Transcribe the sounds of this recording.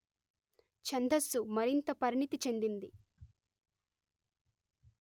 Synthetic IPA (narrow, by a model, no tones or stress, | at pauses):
t͡ʃɐnd̪ʱɐsːumɐɾint̪ɐpɐɾinit̪it͡ʃe̞nd̪ind̪i